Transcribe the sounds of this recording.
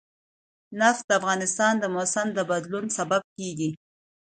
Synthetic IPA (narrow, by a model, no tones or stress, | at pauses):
nafd̪əafɣɑnɪst̪ɑnd̪əmosand̪əbad̪lunsabab̚keɡi